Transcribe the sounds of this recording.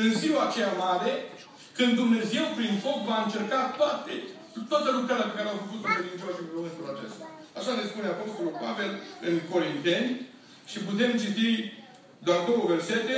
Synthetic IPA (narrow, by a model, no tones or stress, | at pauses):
ɨnziwat͡ʃejamaɾe | kɨnd̪d̪umne̞ze̞wpɾinfo̞kvaɨnt͡ʃe̞rkat̪oat̪e | t̪owat̪əlukɾaɾeape̞kaɾeafəkut̪kɾed̪int͡ʃeoaʃimmomɨnt̪ulat͡ʃest̪aaʃalespuneapo̞st̪o̞lulpa̰velɨnko̞ɾint̪e̞nʲ | ʃiput̪e̞mt͡ʃit̪i | d̪oard̪o̞wəve̞rset̪e